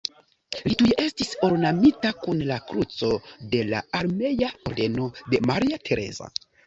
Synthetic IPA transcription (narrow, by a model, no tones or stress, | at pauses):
litujeʔe̞stiso̞ɾnamitakunlakɾut͡so̞de̞la̰aɾme̞jaole̞no̞de̞maɾiatʰe̞ɾe̞̰za̰